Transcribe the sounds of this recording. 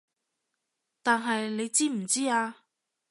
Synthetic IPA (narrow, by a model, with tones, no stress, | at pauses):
t̪aː˨nɦɐ˨jle˨˧jt͡siː˥m̩˨˩t͡siː˥aː˧